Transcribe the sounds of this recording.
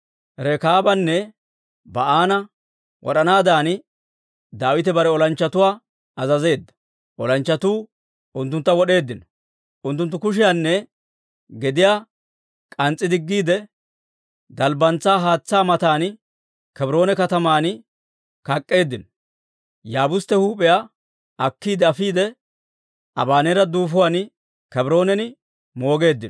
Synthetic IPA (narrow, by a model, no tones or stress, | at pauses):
ɾɛkaːbɐnːɛ | bɐaːnɐ | wʔɔ̰ɗɐnaːd̪aːn | d̪aːwɪt̪ɛbɐɾɛɔlɐnt͡ʃːɐt̪ʊwaː | ɐzɐze̞ːd̪ːɐ̥ | ʔɔlɐnt͡ʃːɐt̪uː | ʊnt̪ːʊnt̪ːɐwɔɗe̞ːd̪ːɪnɔ | ʔʊnt̪ːʊnt̪ːʊkʊʃɪjaːnːɛ | ɡɛd̪ɪjaː | kʼɐnt͡sʼːɪd̪ɪɡːiːd̪ɛ | d̪ɐlbɐnt͡sːaːɦaːt͡sːaːmɐt̪aːn | kɛbɪɾo̞ːnɛkɐt̪ɐmaːn | kɐkʼːe̞ːd̪ːɪnɔ̥ | jaːbʊst̪ːɛhuːpʼɛja | ɐkːiːd̪ɛɐfiːd̪ɛ | ɐ̰baːnɛɾɐd̪uːfʊwan | kɛbɾo̞ːnɛnɪ | mo̞ːɡe̞ːd̪ːɪnɔ